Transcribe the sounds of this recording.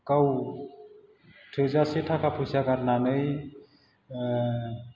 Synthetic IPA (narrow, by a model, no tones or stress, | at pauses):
kaw | tʰɯzasetʰakʰapʰusakaɾnanɯj